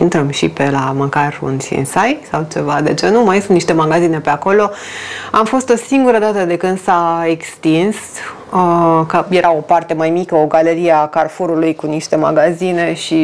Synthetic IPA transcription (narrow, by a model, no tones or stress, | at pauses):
int̪ɾəmʃḭpe̞laməkarṵnsḭnsajsawt͡ʃe̞vad̪e̞t͡ʃe̞numajsunt̪niʃt̪e̞maɡazine̞peako̞lo̞amfo̞st̪o̞siŋɡuɾəd̪at̪əd̪e̞kɨnd̪saekst̪ins | əkəje̞ɾʔao̞part̪e̞majmikəo̞ɡaleɾieakarfuɾulujkuniʃt̪e̞ma̰ɡazine̞ʃi